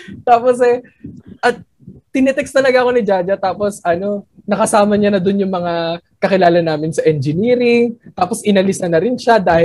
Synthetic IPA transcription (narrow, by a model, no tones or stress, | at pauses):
t̪aːpo̞sɛ | ʔɐt̪̚ː | ɪnɛt̪ɛkst̪ɐlɐɡaʔɐko̞nɪd͡ʒaːd͡ʒɐt̪aːpo̞sʔɐno̞nɐkɐsaːmɐɲanɐd̪ʊnjʊŋmɐŋakɐkɪlaːlɐnːaːmɪnsɐʔɛnd͡ʒɪniːɾɪŋt̪aːpo̞sʔɪnɐlɪsɐnɐɾɪnʃad̪aːhɪ